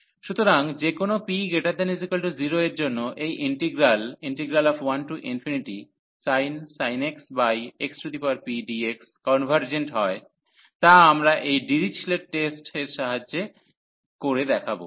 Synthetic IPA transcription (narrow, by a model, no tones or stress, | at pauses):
ʃut̪oɾaŋd͡ʑekonopiɡeʈaɾd̪anizikalʈuziɾoeɾd͡ʑonːoʔejʔiɳʈiɡɾaliɳʈiɡɾalɔfwanʈuʔinfiniʈi | sajnsajneksbajeksod̪ipaɾpiɖiekskɔnbʱaɾd͡ʑeɳʈɦɔe | t̪aamɾaʔejɖiɾit͡ɕʰleʈ̚ʈesʈeɾʃaɦad͡ʑe | koɾed̪ɛkʰabo̰